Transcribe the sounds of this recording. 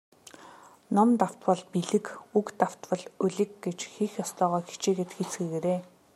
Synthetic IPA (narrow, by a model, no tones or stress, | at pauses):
nɔmt̪aw̥t̪pə̆ɮpiɮɘ̆kukt̪aw̥t̪pə̆ɮɵɮɘ̆kɡet͡ɕxiːxjɔst̪ʰœːʁɔːxi̥t͡ɕeːɡet̪xit͡sɡɘ̆ɣeːɾeː